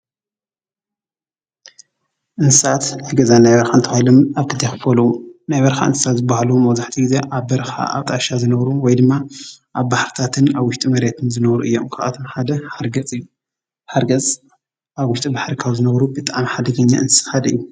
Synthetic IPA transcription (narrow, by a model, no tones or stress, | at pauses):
ʔɨnsɨsat̪naaɡɐzanajβɐɾxaɨnt̪ʰɐhilomaβkʰɨt̪ʰejxɨfolunajβɐɾxa̰ʔɨ̰nsʰɨsat̪zɨbahaluumɐwzaħt̪ʰiɡize̞ʔaβbɐɾxa̰a̰βt̪ʼaʃazɨnɐβɾuwɔjd̪ɨmːaʔaβbaħɾit̪ʰat̪ʰɨnaβwʊʃt̪ʼimɐɾet̪ʰɨnzɨnɐβɾṵʔɨjːomkʰaat̪ʰomħad̪ɐħaɾɡɐt͡sʼɨjːu | ħaɾɡɐt͡sʼ | ʔaβwʊʃt̪ʼibaħɾikʰawzɨnɐβɾubɨt̪ʼaʕmiħad̪ɐɡɐɲːa̰ʔɨnsɨxad̪ɐʔɨjːu